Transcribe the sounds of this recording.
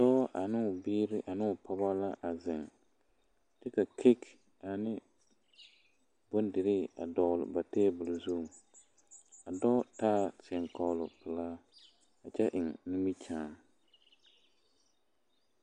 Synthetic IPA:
dɔː˦ʔa˨nɪ˦ʊ˨biː˦ɾɪ˦ʔa˨nɪ˦ʊ˨pa˦ba˦la˦ʔa˨zɪ˨ŋ | t͡ʃɛ˦ka˨kʰi˦k | a˨nɪ˦ | bo˦n˦dɪ˨ɾɪ˦a̰˨dɔ˨lʊ̰˨ba˨teː˦˨bʊ˨lʊ˨zu˦˨ | a˨dɔː˦taː˦tɪ˨ɛ˨ŋkɔ˨lʊ˨pɪ˨laː˦ | a˨t͡ʃɛ˦ʔɪ˨ŋnu˦mi˦t͡ʃãː˦

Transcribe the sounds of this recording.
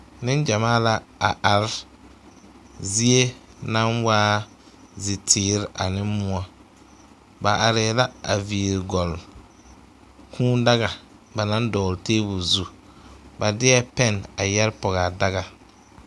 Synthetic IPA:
nɪ˦nd͡ʒa˨maː˦la˦a̰˨ʔa˨ɾɪ˦ | zi˦e˦na˦nwaː˦ | zɪ˨tʰɪː˨ɾɪ˨˦ʔa˨nɪ˦mmʊ˦ɔ˦ | ba˨ʔa˨ɾɛ˨la˦a˨viː˨ɾɪ˨ɡɔ˨l | kʰũː˦da˦ɣa˨ | ba˨na˦n˦dɔː˨ɾteː˦bu˨zu˦ | ba˨dɪ˦ɛ˦pɛ˦˨na˨jɛ˦ɾpɔ˨ɣa˨da˦ɣa˨

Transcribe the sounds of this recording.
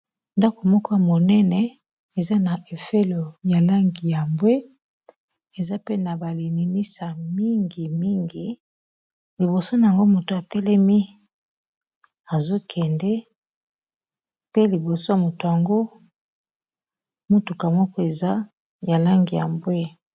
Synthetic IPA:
nda˦ko˨mɔ˦kɔ˦ja˨mo˨nɛ˦nɛ˨ | e˨za˦na˨ʔe˨fe˦lo˨ja˨la˦ŋɡi˨ja˨mbwe˦ | e˨za˦pe˦na˨ba˨li˨ni˨ni˦sa˨mi˦ŋɡi˨mi˦ŋɡi˨ | li˨bo˨so˦na˨a˨ŋɡo˦mo˨to˨a˨tɛ˦lɛ˦mi˦ | a˨zo˦kʰɛ˨ndɛ˦ | pe˦li˨bo˨so˦ja˨mo˨to˨ja˨ŋɡo˦ | mo˦tu˨ka˨mɔ˦kɔ˦e˨za˦ | ja˨la˦ŋɡi˨ja̰˨mbwe˦

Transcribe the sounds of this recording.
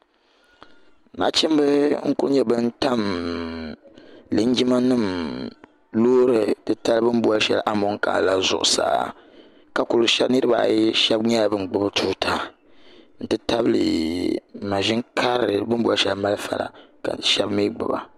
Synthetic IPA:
na̰˨˦t͡ʃi˦m˦bɨ˦ŋ̩˦ku˦ɾɲɛ˦bɨ˦n˦ta˦m | lɨ˨˦n˦d͡ʒi˦ma˦nɨ˦˨m | loː˦ɾɨ˨tɨ˦ta˦lbɨ˦m˦bu˦a˦ʃɛ̰˦lʔa˦mʊ˨˦ŋka̰˨la˦zʊ̰˨ʔʊ̰˨sa̰ː˨ | ka˨ku˨lʃɛ˦bnɨ˦ɾɨ˦ba̰˨jʃɛ˦bɲɛ˦˨bɨ˦m˨ɡ͡bʊ˦btʰu˦tʰa˦ | n̩˦tɨ˦ta˦blḭ˨ | ma˨ʒi˦ŋkʰa˦ɾɨ˨bɨ˦m˦bu˦a˦ʃɛ˨lma˦lfa̰˨ɾa̰˨ka̰˨ʃɛ˦bmi˦ɡ͡bʊ̰˨ba̰˨

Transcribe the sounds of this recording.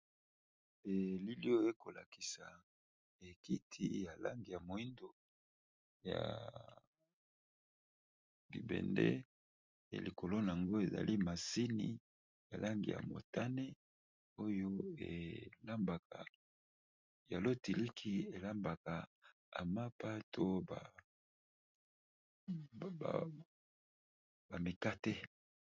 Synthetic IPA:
e˨li˦li˦o˦e˦ko˨la̰˨ki˨sa˨ | e˨ki˦tʰḭ˦ja˨la̰˦ŋɡi˨ja˨mo˨i˦ndo˨ | ja̰˨ | bi˨bɛ̰˨ndɛ̰˦˨ | li˨ko˨lo˦na˨a˨ŋɡo˦e˨za̰˨lʔi˦ma˨si˦ni˨ | ja˨lʔa˦ŋɡḭ˨ja̰˨mo̰˨ta˦ne˦ | o˦jo˦ḛ˨la˦mba˨ka˨ | ja˨lo˦ti˨li˦kʰi˦e˨la˦mba˨ka˨ | a̰˨ma˦pa˦tʰo˦ba˨ | ba˨mi˨ka˦tɛ˦

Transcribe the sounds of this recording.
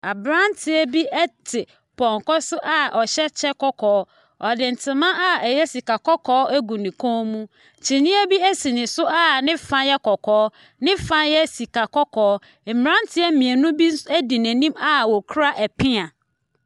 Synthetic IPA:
a˨bɾã˦n˦tʰɪ˨ɛ˦bi˦ʔɛ˦tʰɪ˨ | pʰɔ̃˨ŋkɔ˦sʊ˦ʔa˦ʔɔ˨ɕɛ˦t͡ɕʰɛ˦kɔ˦kʰɔː˨ɔ˦ | ɔ˨dɪ̃˨n̩˨tʰɪ˨mã˦ʔa˦ɛ˨jɛ˦si˨ka˨kɔ˦kʰɔː˦ʔæ˦ɡũ˨nɪ̃˨kʰɔ̃˦mũ˦ | t͡ɕʰi˨nĩ˦æ˦bi˦æ˦si˨nɪ̃˨sʊ˦a˦˨nɪ̃˦fã˦njɛ˦kɔ˨kʰɔː˨˦ | nɪ̃˦fã˦njɛ˦si˨ka˨kɔ˦kʰɔː˨˦ | m̩˨mɾã˦ntʰɪ˦ɛ˦m˦mĩ˨ɛ˨nũ˦bi˦n̩˦sæ˦di˨næ̃˨nĩ˦ma˦wɔ˨kʰɾa˦ʔɛ˨pʰɪ̃˦ã˨

